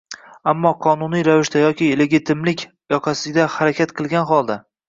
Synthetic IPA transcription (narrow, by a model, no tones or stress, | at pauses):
amːɒqʰɒnʊnijɾavɪʃt̪ajɒkʲʰɪle̞ɡʲɪt̪ʰɪmlɪkʲ | jɒqʰɑsɪd̪ahaɾakʲʰat̪qʰɨlˠɡʲanχɒlˠd̪a